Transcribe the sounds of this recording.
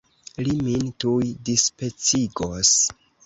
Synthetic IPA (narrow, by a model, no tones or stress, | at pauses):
limintujdispet͡siɡos